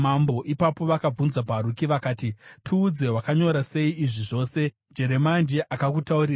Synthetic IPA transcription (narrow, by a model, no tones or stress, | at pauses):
mambo̞ʔipapo̞ʋakab͡vunzapaɾukiʋakaːtitʰuːd͡ze̞ɦwakaɲo̞ɾase̞iːʐiʐo̞ːse̞ | d͡ʒe̞ɾe̞mand͡ʒeʔakakutauɾiːra